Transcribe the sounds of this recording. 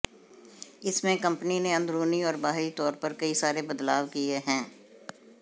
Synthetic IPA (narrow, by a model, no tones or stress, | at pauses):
ɪsmẽkɐ̃mpnineɐ̃nd̪ɾuːniɔːɾbaːɦɪlit̪ɔːɾpɐɾkɐisaːɾebɐd̪laːʋkieɦɛ̃ː